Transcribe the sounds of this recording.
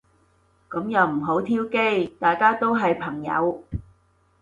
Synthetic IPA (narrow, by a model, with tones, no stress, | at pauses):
kɐ˨˥mjɐ˨wm̩˨˩ɦo˨˥wt̪ʰiː˥wke˥jt̪aː˨jkaː˥t̪o˥wɦɐ˨jpʰɐ˨˩ŋjɐ̰˨˧˥w